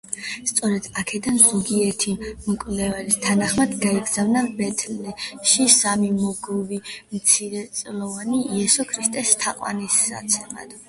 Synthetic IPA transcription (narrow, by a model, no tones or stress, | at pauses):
st̪sʼɔɾɛd̪̥akʰɛd̪anzɔɡiɛt̪ʰimɔkʼlɛvalist̪ʰanaχmad̪ɡaiɡzavnabɛt̪ʰlɛʃisamimɔɡɔvimt̪sʰiɾɛt̪sʼlˠɔvaniiɛsɔkʰɾist̪ʼɛst̪ʰaqʼwa̰nisa̰t̪sʰɛma̰d̪̥